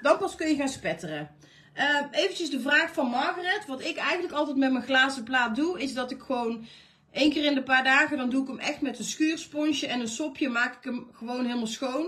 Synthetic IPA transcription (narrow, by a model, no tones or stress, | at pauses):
dɑnpɑskɵnjəɣaːnspɛtərə | əejvəncəzdəvraːxfɑnmɑɹɣərɛtʋɑtɪkɛjɣəndləkɑlˠtɛjtmɛtmənχlaːzəplaːt̚duɪzdɑtɪkxəʋown | ʔejnkɪːrɪndəpaːɹdaːɣədɑnduɪkəmʔɛxtmɛtənsxyːrspɔnʃəʔɛnənsɔpʰjəmaːkɪ̥kəmχəʋownɦɪːlˠmalˠsxown